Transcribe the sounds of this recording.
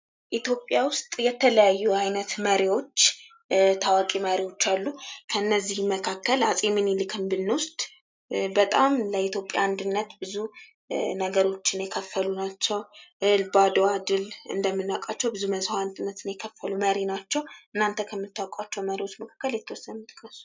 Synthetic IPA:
ʔit̪jo̞pʼjawʊst̪ʼjɛt̪ʰːələjajːuajnət̪məɾiwo̞t͡ʃː | t̪ʰawakʼiməɾiwo̞t͡ʃːalːukʰəɨnːəzːihməkʰakːəlasʼeminilɨkʰɨmbɨnːwʊst̪ʼ | bət̪ʼamləit̪jo̞pʼja̰and̪ɨnːət̪bɨzu | nəɡəɾo̞t͡ʃːɪnjɛkʰəfːəlunat͡ʃːɛwʔɨlbad̪oad̪ɨlɨ̰nd̪əmːɨnːakʼat͡ʃːɛwbɨzuməzhaand̪ɨnːət̪ɨnjɛkʰəfːəluməɾinat͡ʃːɛwʔɨnːant̪ʰəkʰəmːɨt̪ːawkʼat͡ʃːɛwməɾiwo̞t͡ʃːməkʰḁkːəljɛt̪ʰːəwɔsːənnut̪ʼkʼːəsu̥

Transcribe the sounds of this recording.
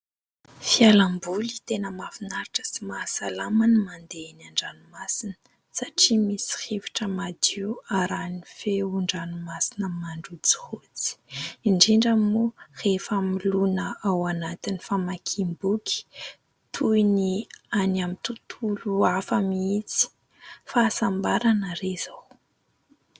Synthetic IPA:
fialambulit̪enəmafinaɾiʈ͡ʂə̥simasalamanimand̪enaɳɖ͡ʐanumasinə̥ | saʈ͡ʂimisi̥hevi̥ʈ͡ʂəmad̪iwaɾanifeuɳɖ͡ʐanumasinəmaɳɖ͡ʐut͡si̥hut͡si̥iɳɖ͡ʐiɳɖ͡ʐəmurefamilunəawanat̪inifamakʰimbuki̥ | t̪ʰujnianamit̪ut̪ʰuluafamiit͡si̥ | faːsambaɾanəɾez̥aw

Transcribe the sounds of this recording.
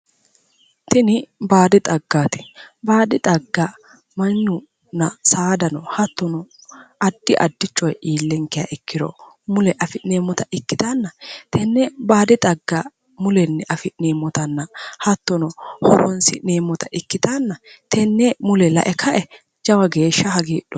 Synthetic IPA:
t̪ɪnɪbaːd̪ɪt̪ʼɐɡːaːt̪ɪ̥baːd̪ɪt̪ʼɐɡːɐ | mɐnːʊ | nɐsaːd̪ɐnɔhɐt̪ːɔnɔʔɐd̪ːɪʔɐd̪ːɪt͡ʃːɔjʔiːlːɛŋkːɪja̰ʔɪkːɪd̪ɔ̰ | mʊlɛʔɐfɪneːmːɔt̪ɐɪkːɪt̪aːnːɐt̪ʰɛnːɛbaːd̪ɪt̪ʼɐɡːɐ | mʊlɛnːɛʔɐfɪneːmːɔt̪ɐnːɐhɐt̪ːɔnɔhɔ̰ɾɔnsɪneːmːɔt̪ɐʔɪkːɪt̪aːnːɐt̪ʰɛnːɛmʊlɛlɐ̰ʔɛkʰɐʔɛ | d͡ʒɐwɐɡeːʃːɐhɐɡiːɗɔ

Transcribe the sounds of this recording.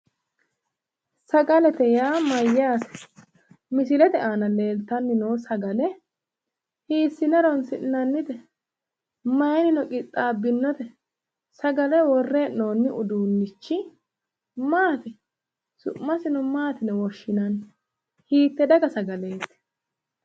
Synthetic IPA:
sɐɡɐlɛt̪ɛjaːmɐjːaːsɛ̥ | mɪs̬ɪlɛt̪ɛʔaːnɐle̞ːlt̪ɐnːɪnoːsɐɡɐlɛ | hiːsːɪnɛɾɔnsɪʔnɐnːɪt̪ɛ | mɐjɛnɪnɔkʼɪt̪ʼːaːbːɪnːɔt̪ɛ | sɐɡɐlɛwɔrːeːʔnoːnːɪʔʊd̪uːnːɪt͡ʃːɪ | maːt̪ɛ | sʊ̰ːɐsɪnɔmaːt̪ɪnɛwɔʃːɪnɐn | hiːt̪ːɛd̪ɐɡɐsɐɡɐle̞ːt̪ɛ̥

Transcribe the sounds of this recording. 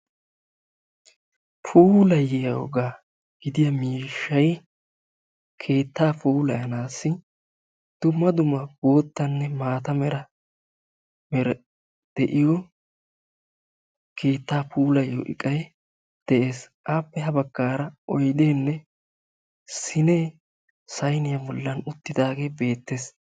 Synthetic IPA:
fuːlɐjɛjɐwɔ̰ɡaː | ɡ̥ɪd̪ɪjɐmiːʃːɐj | kʰe̞ːt̪ːaːpuːlɐjɐnaːsːɪ | d̪̥ʊmːɐd̪ʊmːɐbo̞ːt̪ːɐnːɛmaːt̪ɐmɛɾɐ | mɛɾ | d̪̥ɛʔɪjɔ | kʰe̞ːt̪ːaːpuːlɐjːo̰ʔɪ̰kʼɐj | d̪̥ɛʔe̞ːs | aːpːɛɦɐbɐɡːaːɾɐɔjd̪eːnːɛ | sɪneː | sɐjnɪjɐbɔlːɐnʊt̪ːɪd̪aːɡeːbe̞ːt̪ːeːs

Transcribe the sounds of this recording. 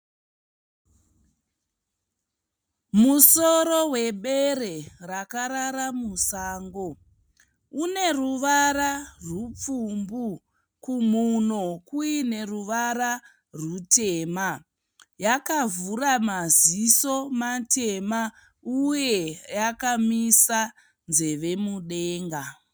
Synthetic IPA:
muso̞ɾo̞we̞ɓe̞ɾe̞rakaɾaɾamusaːŋɡo̞ | une̞ruʋaɾarup͡fumbu | kumunokuine̞ruʋaɾa | rute̞ːma | jakavuramaziso̞matʰe̞ma | uje̞jakamisa | nze̞ʋe̞muɗe̞ːŋɡa

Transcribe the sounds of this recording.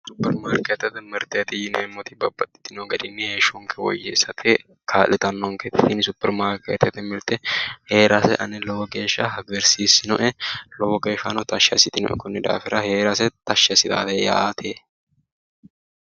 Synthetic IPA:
sʊpːɛɾmaːɾket̪ːɛt̪ɛmɪɾt̪ɪɐt̪ɪjɪnḛmːɔt̪ɪbɐbːɐt̪ʼːɪ̥t̪ːɪnoɡɐd̪ɪnːɪheːʃuŋkʰɛwɔ̰jːḛsɐt̪ʰɛ | kʰaːlɪt̪ɐnːɔŋket̪ːɪ̥t̪ɪnsʊpːɛɾmaːɾkeːt̪ːɛt̪ɛmɪɾt̪ɛhe̞ːɾʔasɛ̰ʔɐ̰nːɛlɔwɔkeːʃːɐhɐɡɛɾsiːsɪnʊʔɛlɔwɔke̞ːʃːɐnɔt̪ɐʃɐ̰sɪt̪ɪnʊ̰ʔɛ̰kʊnːɛd̪a̰ːfɪɾʔɐhe̞ːɾasɛt̪ɐʃːɐsɪt̪a̰ːt̪ɛja̰ːt̪ʰe

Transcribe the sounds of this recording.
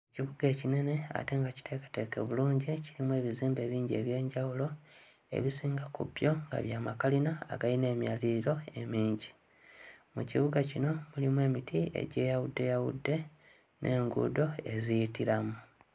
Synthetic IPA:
eciβuɡe̞ːcine̞ne̞a̰te̞ːŋɡaci̥te̞ːkḁte̞keβuluːɲɟiciɾimwe̞ːβiziːmbe̞ːβiːɲɟe̞βje̞ːɲɟawulo̞ | e̞̰βisiːŋɡakṵbjo̞ŋɡa̰βjaːmakalina̰ːɡaine̞ːmjaliɾiɾo̞e̞miːɲɟi | mṵciβuɡacino̞mulimwe̞ːmitie̞̰ɟe̞ːjawudːe̞jawṵdːe̞ | nʔe̞ːŋɡṵdo̞e̞zijitiɾamu

